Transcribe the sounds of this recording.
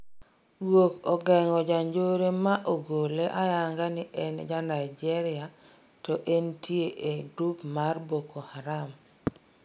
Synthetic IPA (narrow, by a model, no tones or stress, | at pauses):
wokɔɡɛŋɔd͡ʒaɲd͡ʒoɾemaʔoɡoleʔajaŋɡanɪʔɛnd͡ʒanaid͡ʒɛɾɪa | tɔʔentieʔeɡɾupmarbokohaɾam